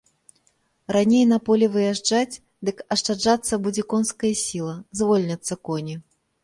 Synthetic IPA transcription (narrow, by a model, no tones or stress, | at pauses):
ranʲejnɐpɔlʲɛvɨjaʐd͡ʐat͡sʲ | d̪ɨkɐʂt͡ʂad͡ʐat̪sːɐbud͡zʲɛkɔnskɐjɐsʲilˠɐzvɔlʲnʲɐt̪sːɐkɔnʲi